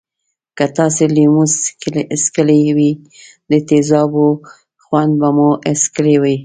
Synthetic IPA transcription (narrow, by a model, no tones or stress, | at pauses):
kat̪ɑselimuslskəlewi | d̪ət̪ezɑbo | xwand̪̚bamuoʔeskəlewəj